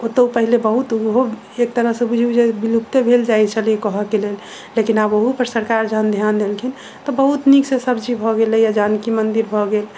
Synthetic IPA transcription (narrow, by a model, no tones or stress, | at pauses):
ot̪əupəɦilebəɦut̪ɦo | ek̚t̪əɾəɦsẽbud͡ʒʱud͡ʒebilup̚t̪ebʱeld͡ʒajt͡ʃʰəlikəɦəkelelː | ekinaboɦupəɾsəɾkaɾd͡ʒʱand̪ʱjand̪elkʰin | t̪ɔbəɦut̪niksẽsəbd͡ʒibʱɔɡelɛjad͡ʒankimənd̪iɾbʱɔɡel